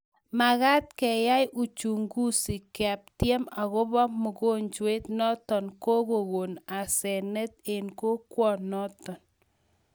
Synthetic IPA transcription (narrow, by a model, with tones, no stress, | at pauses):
ma˨ɣa˦t̪̚kɛ˨ja˦jʔu˨t͡ʃu˨ŋɡu˦si˨ka˨p̚tje˦ma˨ɣo˦βɔ˦mʊ˨ɡo˦nd͡ʒwe˦t̪nɔ˦tɔ˨nko˦ɣo˨ɣo˨na˨sɛ˨nɛ˦t̪̚e˨nko˦kwɔ˦˨nɔ˦t̪ɔ˨n